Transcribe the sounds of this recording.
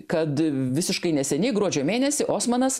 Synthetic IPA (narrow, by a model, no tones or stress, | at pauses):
kɐt̪ʋʲɪsʲɪʃkɐɪnʲɛsʲɛnʲɛɪɡɾuɔd͡ʒʲoːmʲeːnʲɛsʲɪʔoːsmɐnɐs